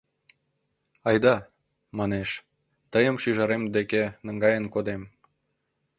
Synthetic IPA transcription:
ɑjd̪ɑ | mɑneʃ | t̪əjəmʃyʒɑɾemd̪ekenəŋɡɑjənkod̪em

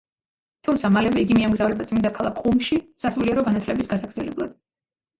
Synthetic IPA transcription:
t̪ʰumt̪sʰamalɛvɛiɡimiamɡzavɾɛbat̪sʼmind̪akʰalˠakʰʼumʃisasuliɛɾɔɡanat̪ʰlɛbisɡasaɡɾd̪zɛlɛblˠa̰d̪̥

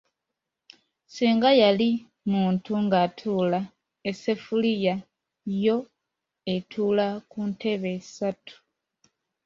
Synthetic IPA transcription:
siːŋɡajali | muːntuŋɡatʰuːla | ese̞fulija | jo̞ | e̞tʰuːlakunte̞βe̞̥satʰu̥

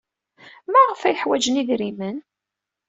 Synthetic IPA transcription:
mæʁəfæjəħwæd͡ʒəniðɾimən

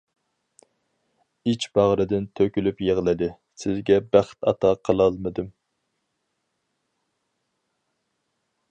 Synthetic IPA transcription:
it͡ʃbɑʁɾɨd̪ɪnt̪ʰøkʲylypjeʁlˠɨd̪ɨ | sɪzɡʲɛbæχt̪ɑ̰t̪ʰɑqʰəlˠɑlˠmɨd̪ɨm

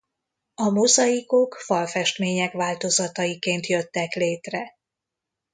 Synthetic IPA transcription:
ɒmo̞zɒjiko̞kfɒlfɛʃt̪meːɲɛkʋaːlt̪o̞zɒt̪ɒjikeːnt̪jøt̪ːɛkleːt̪rɛ

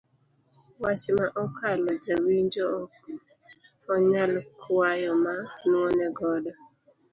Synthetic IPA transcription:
wat͡ʃmaʔɔkʰalɔd͡ʒawiɲd͡ʒɔk | ɔɲalkʰwajɔmanwɔnɛɡɔdɔ

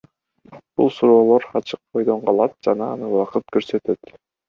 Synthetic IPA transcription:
b̥ulˠsuɾo̞ːlˠo̞ɾɑt͡ʃʰɯq̚bo̞jd̪o̞ɴqɑlˠɑt̪̚d͡ʒɑnɑːnɯwɑqɯt̪̚køɾse̞t̪e̞t̪

